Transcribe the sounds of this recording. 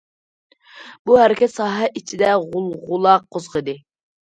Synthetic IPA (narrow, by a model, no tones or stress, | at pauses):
buhɛɾɪkʲɛt̪sɑːɦɛʔit͡ʃʰid̪ɛʁʊlˠʁʊlˠɑq̚ʰːozʁəd̪ɨ